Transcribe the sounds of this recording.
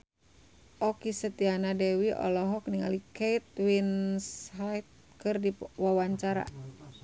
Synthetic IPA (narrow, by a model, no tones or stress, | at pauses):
ʔɔkisət̪ianadɛwiʔɔ̰lɔɦɔk̚niŋa̰likeit̪̚winsɦajt̪̚ | kɨrdiwawaɲt͡ʃaɾa̰